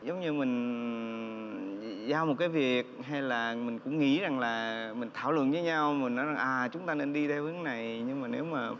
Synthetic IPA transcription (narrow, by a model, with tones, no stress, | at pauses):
zə˨˦wŋ͡mɲɨ˧mï˨˩ŋ̟ | zaː˧wmo˨˩t̚kaː˨˦jvi˨˩ək̚ɦa˧jlaː˨˩mï̟˨˩kʊ̰˧˥ŋ͡mŋḭ˧˥za˨˩ŋlaː˨˩mï˨˩ŋ̟t̪ʰaː˧˩wlwə̰˧˨nvəː˨˦jɲa˧wmi˨˩ŋ̟nɔ˨˦jza˨˩ŋʔaː˨˩t͡ɕʊ˨˦ŋ͡mt̪aː˧ne˧nɗi˧ɗɛ˧whɨ˨˦ŋna˨˩jɲɨ˧ŋmaː˨˩ne˨˦wmaː˨˩